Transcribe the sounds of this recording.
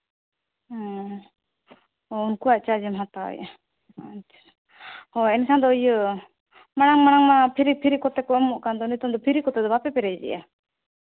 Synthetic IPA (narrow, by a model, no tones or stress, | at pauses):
ɔ | ɔunkuat͡ʃad͡ʒimɦat̪a̰ɛ̰ja̰ | t͡ʃʰḁ | hɔɛnkʰand̪ɔjə | maɽ̃aŋmaɽ̃aŋmapʰiɾipʰiɾikɔt̪ɛkɔmɔʔkand̪ɔnit̪umd̪ɔpʰiɾikɔt̪ɛd̪ɔbapɛpɛɾɛd͡ʒɛ̰ʔa̰